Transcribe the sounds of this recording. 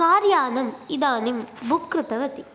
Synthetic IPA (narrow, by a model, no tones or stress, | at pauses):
kaːɾjaːnɐmid̪aːnimbʱukɾɯt̪ɐʋɐt̪i̥